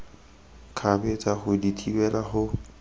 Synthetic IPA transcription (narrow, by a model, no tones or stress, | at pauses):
kʰabɛt͡sʼaχʊditʰiwɛlaχʊ